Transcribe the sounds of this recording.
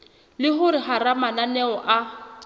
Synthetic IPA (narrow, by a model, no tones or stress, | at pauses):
lɪɦʊɾɪhaɾamananɛɔʔa